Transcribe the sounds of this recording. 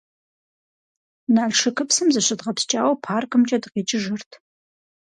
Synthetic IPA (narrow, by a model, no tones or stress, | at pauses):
naːɮʂɨkʰɨpsɨmzɨɕʷɨdʁɐpst͡ʃʼaːwɐpʰaːrkʰɨmt͡ʃʼɐdɨqiːt͡ʃʼɪʒɨrtʰ